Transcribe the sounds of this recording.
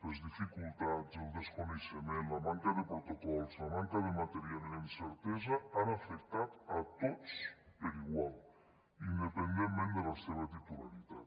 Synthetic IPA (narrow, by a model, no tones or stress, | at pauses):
lezðifikulˠt̪azelˠd̪eskoneʃemenlamaŋkaðepɾot̪okɔlzlamaŋkaðemat̪eɾjalleinseɾt̪ɛzaanafek̚t̪at̪at̪ot͡speɾiɣwal | ind̪epend̪emmẽnd̪elaseβat̪it̪ulaɾit̪at̪